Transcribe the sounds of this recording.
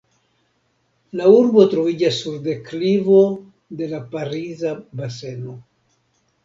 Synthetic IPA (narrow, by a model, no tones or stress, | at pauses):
lauɾbo̞tɾo̞vid͡ʒasːuɾde̞klivo̞ | de̞lapaɾizabase̞no̞